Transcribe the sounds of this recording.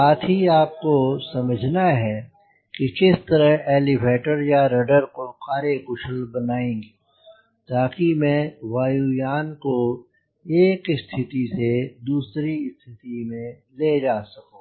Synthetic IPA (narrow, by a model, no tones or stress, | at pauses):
saːt̪ʰɦiaːp̚kosɐməd͡ʒʱnaɦɛ | kikɪst̪ɐɾəɦeːlɪbʱeːʈəɾjaɾɐɖəɾkokaːɾekʊʃəlbɐnaːẽːɡi | t̪aːkimɛ̃ːʋaːjujaːnko | eːkɪst̪ʰɪt̪ised̪uːsɾiɪst̪ʰɪt̪imẽ | leːd͡ʒaːsɐkõː